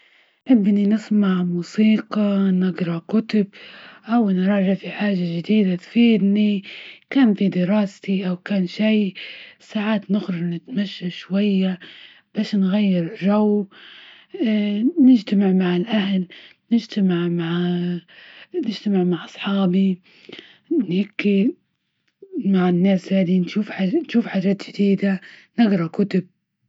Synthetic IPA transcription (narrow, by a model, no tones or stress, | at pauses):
nħɪbːninɪsmaʕmuːsiːqɑnɪɡɾˤɑkʊt̪ʊbʔawnɾˤɑːʒɪʕfiħaːʒad͡ʒɪd̪iːd̪at̪fiːd̪nikaːnfid̪ɪɾɑːst̪iʔawkaːnʃijsaːʕaːt̪nɪxɾɑɾnɪt̪maʃːaʃwajːa | b̥aːʃnɣajːɪɾʒaw | nɪd͡ʒt̪amɪʕmaʕɪlʔahlnɪd͡ʒt̪amɪʕmaʕ | nɪd͡ʒt̪amɪʕmaʕʔɑsˤħɑːbi | nhakːi | maʕɪnːaːshaːd̪inʃuːfħanʃuːfħaːd͡ʒaːt̪d͡ʒɪd̪iːd̪anɪɡɾˤɑkʊt̪ʊb̚